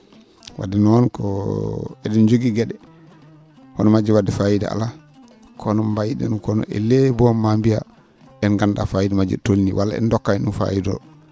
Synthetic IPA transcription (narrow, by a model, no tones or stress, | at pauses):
wʔa̰dinɔnkʰɔ̰ | ɛdɛnd͡ʒoɡiɡɛɗɛ | kɔnɔmad͡ʒiwadɛfajida̰a̰la | kʰɔnɔmbajidɛ̰nukɔnɔ̰ʔɛ̰lebɔmambija | ɛnɡanda̰fajidamad͡ʒɛ̰tolniwalːa̰ɛ̰ndɔkːainunfa̰jidɔ̰